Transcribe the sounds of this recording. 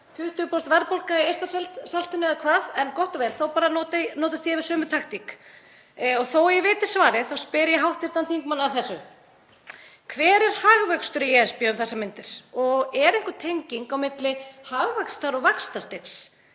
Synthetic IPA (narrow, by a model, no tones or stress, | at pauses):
θʰʏht̪ʏpost̪vɛɾpowlkaejst̪aɾ̥sɛlt̪salt̪ʏnɪakʰvaːðɛnkɔht̪ɔvɛːlθowpaːɾanot̪noːt̪ast̪jɛvɪɾ̥sœːmʏt̪ʰaxt̪ik | ɔɣθowɛɾjɛvɪːt̪ɪ̥svaːɾɪθawspɪːɾɪjɛɦawht̪ɪɾ̥t̪anθiŋkmanːaθɛsːʏ | kʰvɛːɾɛɾ̥haːɣvœkst̪ʏɾɪjɛɛspjaʏmθɛsːamɪnt̪ɪɾ̥ɔɣɛɾejŋkʏt̪ʰejɲciŋkawmɪt̪lɪhaɣvakst̪aɾɔɣvakst̪ast̪eps